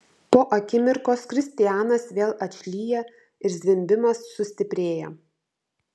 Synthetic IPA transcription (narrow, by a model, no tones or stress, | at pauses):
poːʔɐkʲɪmʲɪɾkoːskɾʲɪsʲt̪ʲɪjæːnɐsʋʲeːlˠɐt͡ʃʲlʲiːjɛ | ɪɾzʲʋʲɪmʲbʲɪmɐsːʊsʲt̪ʲɪpʲɾʲeːjɛ